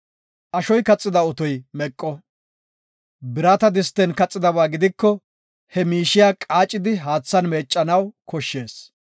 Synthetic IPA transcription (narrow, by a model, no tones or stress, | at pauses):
ʔɐʃɔjkɐt͡sʼːɪd̪ɐɔt̪ɔjmɛkʼːɔ | bɪɾat̪ɐd̪ɪst̪ːɛnkɐt͡sʼːɪd̪ɐβaːɡɪd̪ɪkːɔ | hɛmiːʃɪjaːkʼaːt͡ʃʼːɪd̪ɪɦaːt͡sːɐnmeːt͡ʃʼːɐnɐwkʰɔʃːe̞ːs